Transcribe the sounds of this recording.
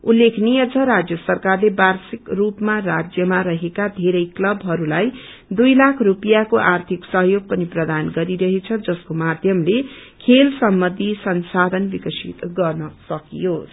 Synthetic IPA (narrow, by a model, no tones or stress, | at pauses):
ulːekʰnijʌt͡sʰʌɾad͡zjʌsʌrkarlebarsikrupmarad͡zjʌmaɾʌɦekad̪ʱeɾʌjklʌbʱɦʌɾulaj | d̪ujlakʰrupijakoʔart̪ʰiksʌɦjoɡ̚pʌniprʌd̪anɡʌɾiɾʌɦet͡sʰʌd͡zʌskomad̪ʱjʌmlekʰelsʌmbʌnd̪ʱisʌnsad̪ʱʌnbikʌsit̪ɡʌrnʌsʌkijo